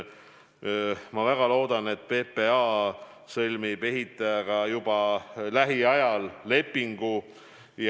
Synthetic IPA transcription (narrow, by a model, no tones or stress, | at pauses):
mɑvæɡ̥ɑlo̞ːd̪ɑne̞t̪pe̞ːpeɑ | sɤlʲmibe̞ɦit̪ːˑɑjɑɡ̥ɑjub̥ɑlæɦiɑjɑlːe̞pːˑiŋɡ̥u | j